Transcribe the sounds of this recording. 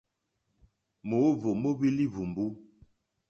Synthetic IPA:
mo˨˦vo˨mo˦bi˦li˦vu˨m˨bu˦

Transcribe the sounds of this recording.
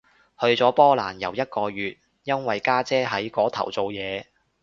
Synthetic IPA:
hɵ˧ɥt͡sɔː˨˥pɔː˥laː˨˩njɐ˨˩wjɐ˥t̚kɔː˧ɥyː˨t̚ | jɐ˥nwɐ˨jkaː˥t͡sɛː˥ɦɐ˨˥jkɔː˨˥t̪ʰɐ̰˨˩wt͡so˨wjɛː˨˧

